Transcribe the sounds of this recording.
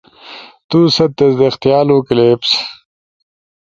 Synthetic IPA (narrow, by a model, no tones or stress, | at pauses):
t̪uːsɐt̪ːesd̪ext̪ijaːloːkileːps